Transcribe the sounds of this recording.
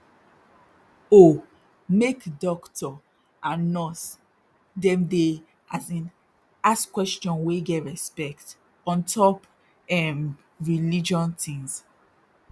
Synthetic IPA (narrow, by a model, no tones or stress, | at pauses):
o | mekdɔktɔ | ãnɔs | dɛ̃mde | ʔasĩn | askwɛst͡ʃɔ̃nweɡɛtɹɛspɛkt | ɔ̃ntʰɔp | ɛm | ɹilid͡ʒɔ̃ntĩŋs